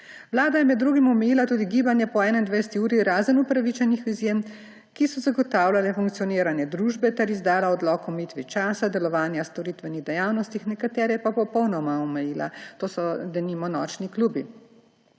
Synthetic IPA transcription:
ʋlaːd̪ajɛmɛd̪ːɾuːɡimɔmɛjilat̪uːd̪iɡiːbanjɛpɔɛːnɛind̪ʋejsɛt̪iuːɾiɾaːzənupɾaʋit͡ʃɛnixizjem | kisɔzaɡɔt̪aːwlʲalɛfuŋk̚t̪sijɔniːɾanjɛd̪ɾuːʒbɛt̪ɛɾizd̪aːlaɔd̪lɔkɔmiːt̪ʋit͡ʃaːsad̪ɛlɔʋaːnjast̪ɔɾit̪ʋɛniɣd̪ɛjawnɔst̪ixnɛkat̪ɛːɾɛɛpapɔpɔwnɔmaɔmɛjiːla̰t̪oːsɔd̪ɛniːmɔnɔːt͡ʃnikluːbi

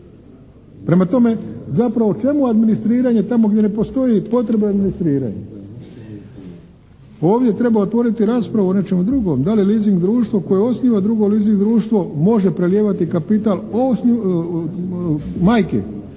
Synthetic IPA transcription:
pɾe̞mat̪o̞me̞zapɾaʋot͡ʃe̞muad̪minist̪ɾiːɾaɲe̞t̪amo̞ɡd̪ʲje̞ne̞po̞st̪o̞jipo̞t̪ɾe̞bead̪minist̪ɾiːɾa̰ɲḛ | o̞ːʋd̪ʲje̞t̪ɾe̞baot̪ʋo̞ɾit̪iɾaːspɾaʋuo̞ne̞t͡ʃe̞mud̪ɾuɡo̞md̪aliliːziŋɡd̪ɾuːʃt̪ʋo̞ko̞jeo̞sniːʋad̪ɾuɡo̞liːziŋɡd̪ɾuːʃt̪ʋo̞mo̞ʒe̞pɾeljeːʋat̪ikapit̪alosni | majkḛ

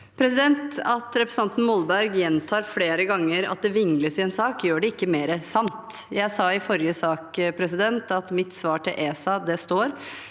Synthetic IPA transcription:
pʰɾɛsɪd̪ɛnt̪ɑt̪ɾɛpɾɛsn̩ɑnt̪n̩mɔlbæɾɡjɛnt̪ʰɑːɾfleːɾəɡɑŋːəɾɑ̰t̪̚d̪ɛʋɪŋləsɪɛnsɑːkjøːɖɛɪkːəmeːɾəsɑmt̪jæɪsɑːɪfɔɾjəsɑːkpʰɾɛsɪd̪ɛnt̪ɑt̪mɪt̪sʋɑːʈʰɪlʔeːsɑd̪ɛst̪oːɾ

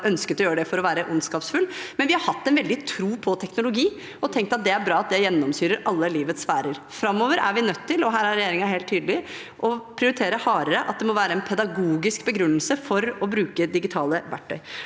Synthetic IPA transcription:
ʔœnskət̪ɔjøːɾəɖ̪ɛfɔɾɔʋæːɾəʔʊnskɑːpsfʉlːmɛnʋɪhɑɾhɑt̪ːɛnʋɛld̪ɪt̪ʰɾuːpʰɔt̪ʰɛknʊlʊɡiː | ɔt̪ʰɛŋk̚t̪ɑt̪̚d̪ɛæɾbɾɑːɑt̪̚d̪ɛjɛnːɔmsyːɾəɾʔɑlːəliːʋət̪sʋæːɾəɾ | fɾɑmːoːʋəɾæ̰ɾʋɪnœt̪ʰːɪlɔɦæːɾæɾːɛjeːɾɪŋɑɦeːlt̪ʰːyːd̪əlɪ | ʔɔpʰɾɪʊɾɪt̪ʰeːɾəhɑːɾəɾəʔɑt̪̚d̪ɛmɔʋæːɾəɛnpʰɛd̪ɑɡuːɡɪskbəɡɾʉnːəlsəfɔɾɔbɾʉːkəd̪ɪɡɪt̪ʰɑːləʋæʈʰːœʏ

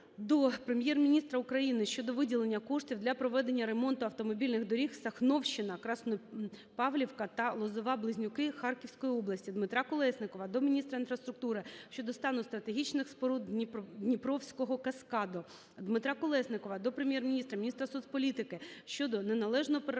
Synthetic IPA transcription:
d̪ɔpɾemʲjɛrmʲinʲist̪ɾɐʊkɾɐjinɪʃt͡ʃɔd̪ɔʋɪdʲilˠenʲːɐkɔʂtʲiwd̪lʲɐpɾɔʋɛd̪e̞nʲːɐɾemɔnt̪ʊɐwt̪ɔmɔbʲilʲnɪɣd̪ɔɾʲixsɐxnɔwʃt͡ʃɪnɐkɾɑsnpɑʋlʲiwkɐt̪ɐlˠɔzɔʋɑblˠɪzʲnʲʊkɪxɑrkʲiwsʲkɔjiɔblˠɐsʲtʲid̪mɪt̪ɾɑkɔlˠɛsnɪkɔʋɐd̪ɔmʲinʲist̪ɾɐinfɾɐst̪ɾʊk̚t̪uɾɪʃt͡ʃɔd̪ɔst̪ɑnʊst̪ɾɐt̪eɦʲit͡ʃnɪxspɔɾud̪ʲpd̪nʲipɾɔwsʲkɔɦɔkɐskɑd̪ɔ | d̪mɪt̪ɾɑkɔlˠɛsnɪkɔʋɐd̪ɔpɾemʲjermʲinʲist̪ɾɐmʲnʲist̪ɾɐsuspɔlʲit̪ɪkɪʃt͡ʃɔd̪ɔnenɐlˠɛʒnɔɦɔp

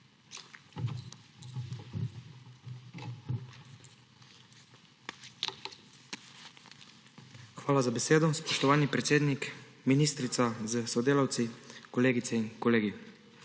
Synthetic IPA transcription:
xʋaːlazabɛseːd̪ɔspɔʃt̪ɔʋaːnipɾɛt̪seːd̪nikminist̪ɾit̪sazəsɔd̪eːlawt̪sikɔleːɡit̪sɛinkɔleːɡi

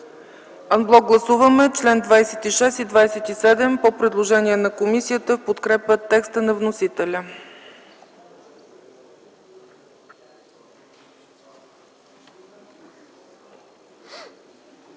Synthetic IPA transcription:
ɐnblˠɔɡ̚ɡlˠɐsuvəmɛt͡ʃlɛnd̪vajsɛt̪iʃɛst̪id̪vajsɛt̪isɛd̪ɛmpopɾɛd̪lˠoʒɛniɛnɐkomisijət̪əfpot̪kɾɛpət̪ɛkst̪ənɐvnosit̪ɛlʲə

